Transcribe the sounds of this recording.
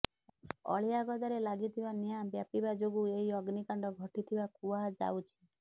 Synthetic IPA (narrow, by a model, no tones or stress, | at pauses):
ɔ̰ɭijaɡɔd̪aɾelaɡit̪ʰibanijabjapibad͡ʒoɡueɦiɔɡnikaɳɖɔɡʱɔʈit̪ʰibakuad͡ʒa̰wt͡ʃʰi̥